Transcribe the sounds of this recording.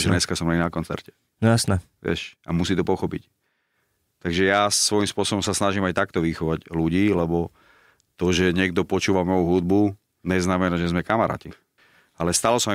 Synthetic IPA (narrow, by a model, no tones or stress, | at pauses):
ʒɛɲɛskasɔmlinakɔnt͡sɛ̰ɾcɛ̥ | jasnɛʋɪɛ̰ʃʔa̰musiːt̪ɔpɔxɔpḭc | t̪aɡʒɛjaːssʋɔjimspʊɔsɔbɔmsasnaʒimajt̪akt̪ɔʋixɔʋaɟluɟiːlɛbɔ | t̪ɔʒɛɲɪɛɡd̪ɔpɔt͡ʃuːʋamɔjuɦud̪̚bu | ɲɛznamɛnaʒɛzmɛkamaɾa̰ːci | alɛst̪alɔsa